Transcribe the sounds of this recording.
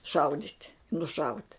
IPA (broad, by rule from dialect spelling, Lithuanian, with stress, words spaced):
ˈʃɐʊdʲiːtʲ nʊˈʃɐʊtʲ